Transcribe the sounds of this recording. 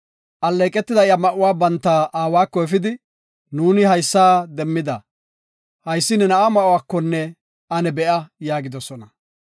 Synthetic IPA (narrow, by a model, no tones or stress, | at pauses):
ʔɐlːɛːkʼɛt̪ːɪd̪ɐɪɐmɐʔʊwaːbɐnt̪ːaːʔaːwaːkːɔɛfɪd̪ɪ | nuːnɪhɐjsːaːd̪ɛmːɪd̪ɐ | hɐjsːɪnɛnɐʔɐmɐʔʊwaːkːɔnːɛ | ʔɐnɛbɛʔɐjaːɡɪd̪ɔsɔnɐ